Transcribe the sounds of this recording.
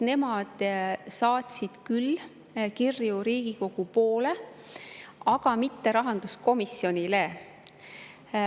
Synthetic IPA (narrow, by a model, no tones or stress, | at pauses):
ne̞mɑd̪̥sɑːt̪ʲsid̪̥kyl | kirːjuɾiːɡ̥iko̞ɡ̥upo̞ːle̞ | ɑɡ̥ɑmit̪ːe̞ɾɑɦɑnd̪̥usko̞misjo̞nʲile